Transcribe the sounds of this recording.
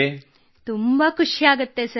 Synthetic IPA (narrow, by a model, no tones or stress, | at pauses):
e | t̪umbakʰuʂiaɡət̪ːesə